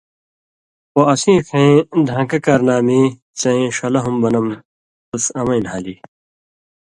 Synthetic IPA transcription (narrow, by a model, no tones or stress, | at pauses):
poɐsĩːkʰẽĩd̪ʱãːkɐkɐɾnaːmi | sɐ̃ĩɕɐlɐɦumbɐnɐm | t̪usɐmɐĩnɦaːliː